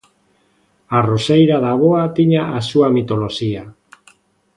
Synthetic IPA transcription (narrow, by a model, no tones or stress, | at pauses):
arosejɾaðaβoat̪iɲaːsuamit̪o̞lo̞ʃia